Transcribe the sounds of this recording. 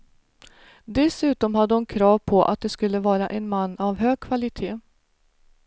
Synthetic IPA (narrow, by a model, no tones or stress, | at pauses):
d̪ɛsʉ̟ːt̪ɔmhad̪ːəhʊnkʰɾɑːvpʰɔʔa̰t̪̚d̪ɛskɵlːəvɑːɾaʔɛnmanːavɦøːɡ̚kʰvalɪt̪ʰeː